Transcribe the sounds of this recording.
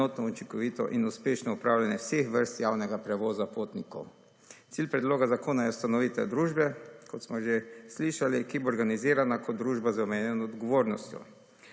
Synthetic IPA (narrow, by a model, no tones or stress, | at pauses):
oːt̪nɔut͡ʃiŋkɔʋit̪ɔ̰ʔinuspeːʃnɔupɾaːwljanjɛwsexʋəɾst̪jawnɛɡapɾɛʋoːzapoːt̪nikɔ̰w | t̪silʲpɾɛd̪loːɡazakoːnajɛust̪anɔʋit̪ɛ̰d̪ɾuːʒbɛkɔt̪smɔʒesliʃalikiboːɾɡaniziːɾanakɔt̪̚d̪ɾuːʒbazawmeːnjɛnɔd̪ɡɔʋoːɾnɔst̪jɔ̰